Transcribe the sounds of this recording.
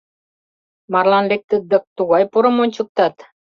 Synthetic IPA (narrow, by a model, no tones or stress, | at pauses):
mɑrlɑnlek̚t̪ə̆d̪ək̚t̪uɣɑjpoɾə̆monʲt͡ɕə̆k̚t̪ɑt̪